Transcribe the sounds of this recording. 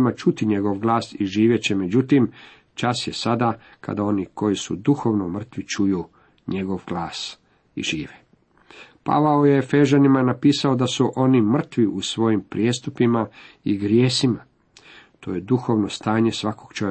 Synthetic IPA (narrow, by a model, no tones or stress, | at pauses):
mat͡ʃut̪iɲe̞ɡo̞ʋɡlˠaːsiʒiːʋjet͡ɕeme̞d͡ʑut̪im | t͡ʃasje̞sad̪a | kʰa̰d̪ao̞niko̞jisṵd̪uxo̞ːʋnomr̩t̪ʋit͡ʃuju | ɲe̞ɡo̞ʋɡlˠaːs | ḭʒiːʋe | pa̰ʋaojeefe̞ʒanimanapiːsao̞d̪asuʔo̞nimr̩t̪ʋiusʋo̞jimpɾijest̪upimaiɡɾjeːsima | t̪o̞ːjed̪uxo̞ʋno̞st̪aːɲe̞sʋakoɡ̥t͡ʃoe